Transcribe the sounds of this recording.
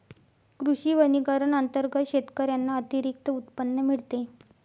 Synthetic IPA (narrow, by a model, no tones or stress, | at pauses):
kɾuʂiːʋəniɡəɾəɳənt̪əɾɡət̪ɕet̪kəɾjanːaət̪iɾik̚t̪əut̪pənːəmiɭt̪e